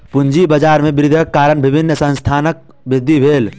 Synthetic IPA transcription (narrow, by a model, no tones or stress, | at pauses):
pʊnd͡ʒibəd͡ʒaːɾmẽbɾɪd̪ʱəkːaːɾənbɪbʱɪnːəsə̃nst̪ʰaːnək̚ | bɾɪd̪ʱːibʱeːl